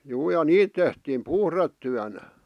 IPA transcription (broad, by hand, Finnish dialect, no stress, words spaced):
juː jɑ niːt tehtiːm puhretːyænæ